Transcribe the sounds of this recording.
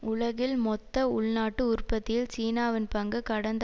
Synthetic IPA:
ʊɭɐɣɪlmɔt̪ːɐʊɭnaːʈːɯʊrpːɐt̪ːɪjɪlt͡ʃiːnaːʋɪnpɐŋɡɯkɐɽɐnd̪

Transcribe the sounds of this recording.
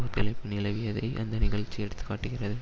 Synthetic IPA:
ɐp̪ɪlɐɪpːɯnɪlɐʋɪjɐðɐɪʔɐnd̪ɐnɪɣɐɭt͡ʃːijɛɽɯt̪ːɯ̥kːaːʈːɯɣɪrɐðɯ

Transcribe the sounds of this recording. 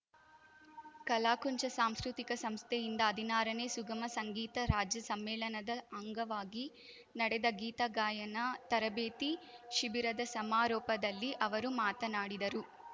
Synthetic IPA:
kɐlaːkuɲt͡ʃɐsaːmskɾut̪ikɐsɐmst̪ʰɛjind̪ɐːd̪ʱinaːɾɐneːsuɡɐmɐsɐŋɡiːt̪ɐɾaːd͡ʒjɐsɐmːɛːlɐnɐd̪ɐɐŋɡɐʋaːɡi | nɐɽɛd̪ɐɡiːt̪ɐɡaːjɐnɐt̪ɐɾɐbeːt̪iʃibiɾɐd̪ɐsɐmaːɾɔːpɐd̪ɐlːiʔɐʋɐɾumaːt̪ɐnaːɽid̪ɐɾu

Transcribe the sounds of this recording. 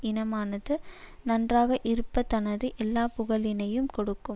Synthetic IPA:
ɪnɐmaːnɐðɯnɐndraːɣɐʔɪɾɯpːɐt̪ɐnɐðɯʔɛlːaːpʊɣɐlɪnɐjɯmkɔɽɯkːɯm

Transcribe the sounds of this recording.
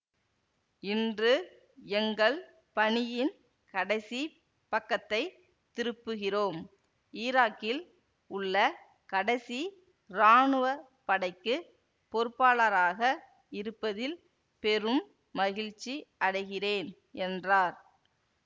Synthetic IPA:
ɪndrɯ | ɛŋɡɐɭ | pɐɳɪjɪn | kɐɽɐɪsi | pɐkːɐt̪ːɐɪ | t̪ɪɾɯpːɯɣɪroːm | iːɾaːkɪl | ʊɭːɐ | kɐɽɐɪsi | ɾaːɳɯʋɐ | pːɐɽɐɪkːɯ | pɔɾɯpːaːɭɐɾaːɣɐ | ɪɾɯpːɐðɪl | pɛrɯmː | ɐɣɪɻt͡ʃːiʔɐɽɐɪɣɪreːn | ɛndraːɾ

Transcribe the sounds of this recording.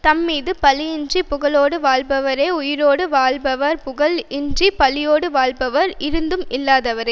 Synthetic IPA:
t̪ɐmːiːðɯpɐlɪjɪnd͡ʒripʊɣɐɭoːɽɯʋaːɭbɐʋɐɾeːʊjɪɾoːɽɯʋaːɭbɐʋɐɾpʊɣɐlɪnripɐlɪjoːɽɯʋaːɭbɐʋɐɾɪɾɯnd̪ɯmɪlːaːðɐʋɐɾɐ

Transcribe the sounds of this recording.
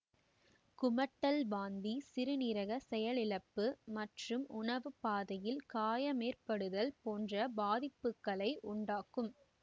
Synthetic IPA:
kʊmɐʈːɐlʋaːnd̪isɪɾɯnɪɾɐɣɐsɛjɐlɪɻɐpːɯmɐʈrɯmʔʊɳɐʋɯpaːðɐjɪlkaːjɐmeːrpɐɽɯðɐlpoːndrɐbaːðɪpːɯkːɐɭɐɪʔʊɳɖaːkɯm

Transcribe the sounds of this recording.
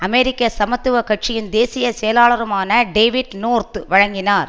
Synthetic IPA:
ɐmɛɾɪkːɐsɐmɐt̪ːɯʋɐkɐʈ̚t͡ʃɪjɪnd̪eːsɪjɐsɛjɐlaːɭɐɾɐmaːnɐɖeːʋɪɖnoːɾt̪ʋɐɻɐŋɡɪnaːɾ

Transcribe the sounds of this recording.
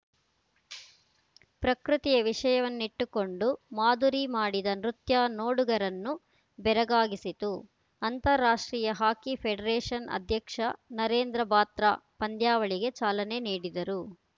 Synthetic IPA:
pɾɐkɾut̪ijɐʋiʂɐjɐʋɐnːiʈːuko̞ɳɖumaːd̪uɾimaːɽid̪ɐnɾut̪jaːnoːɽuɡɐɾɐnːu | bɛɾɐɡaːɡisit̪u | ɐnt̪ɐɾːaːʂʈɾiːjɐɦaːkipʰeɖɐɾeːʂɐnɐ̰d̪ʱjɐkʂɐnɐɾeːnd̪ɾɐbaːt̪ɾa̰ːpɐnd̪jaːʋɐɭiɡe̞t͡ʃaːlɐne̞niːɽid̪ɐɾu

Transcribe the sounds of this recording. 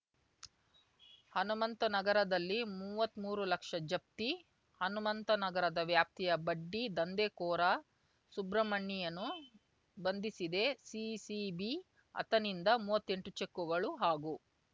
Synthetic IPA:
hɐnumɐnt̪ɐnɐɡɐɾɐd̪ɐlːimuːʋɐt̪ːmuːɾulɐkʂɐd͡ʒɐp̚t̪i | hɐnumɐnt̪ɐnɐɡɐɾɐd̪ɐʋjaːp̚t̪ʰijɐbɐɖːid̪ɐnd̪eːkɔːɾɐ | subɾɐmɐɳːijɐnːu | bɐnd̪isid̪e̞sisibi | ɐ̰t̪ɐnind̪ɐmuːʋɐt̪ːe̞ɳʈut͡ʃekːuɡɐɭuɦaːɡu

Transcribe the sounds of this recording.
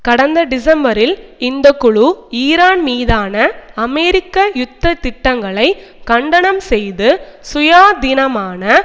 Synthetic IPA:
kɐɽɐnd̪ɐɖɪs̬ɐmbɐɾɪlɪnd̪ɐkːʊɻuiːɾaːnmiːðaːnɐɐmɛːɾɪkːɐjʊt̪ːɐt̪ɪʈːɐŋɡɐɭɐɪ | kɐɳɖɐɳɐmsɛjðɯsʊjaːd̪ɪnɐmaːnɐ

